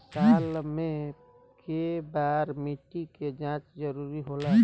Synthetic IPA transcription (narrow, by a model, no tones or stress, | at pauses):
saːlmẽ | kebaːɾmiʈiked͡ʒãːt͡ʃd͡ʒəɾuːɾiɦola